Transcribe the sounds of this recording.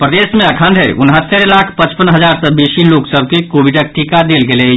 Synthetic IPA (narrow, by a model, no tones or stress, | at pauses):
pɾəd̪eːsmẽɐkʰãːnd̪ʱəʔʊnɦət̪ːəɾlaːkʰpɐ̃t͡ʃpənɦɐzaːɾsəbeːʃiloːksəb̚ʱkekoːʋɪɖək̚ʈikad̪eːlɡele